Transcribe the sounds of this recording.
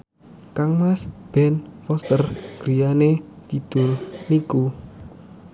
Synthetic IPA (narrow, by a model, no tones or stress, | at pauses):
kaŋmasb̥ɛnfɔst̪ərɡ̥ɾijanet̪id̪̥ʊ̤lniku